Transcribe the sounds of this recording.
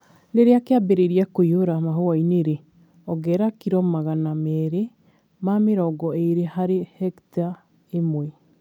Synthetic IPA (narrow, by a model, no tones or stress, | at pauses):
neɾeakeabeɾeɾiakoioɾamaɦoaineɾe | ɔɡɛɾakiɾɔmaɣanamɛːɾe | mameɾɔɡɔeɾehaɾehɛkta | emoe